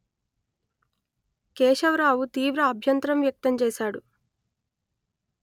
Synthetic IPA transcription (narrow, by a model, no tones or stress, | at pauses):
kɛːʂɐʋɾaːwut̪iːʋɾɐːbʱjɐnt̪ɾɐmʋjɐk̚t̪ɐmt͡ʃɛːʃaːɽu